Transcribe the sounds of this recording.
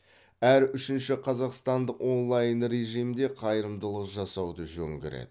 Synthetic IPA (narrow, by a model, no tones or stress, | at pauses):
æɾʏʃɪnʃɪqʰɑzɑqst̪ɑnd̪əqwo̞nlˠɑjənɾe̞ʒijmd̪e̞qʰɑjɾəmd̪əlˠəqʒɑsɑwd̪əʒɵ̰ŋɡʲḛɾḛd̪ɪ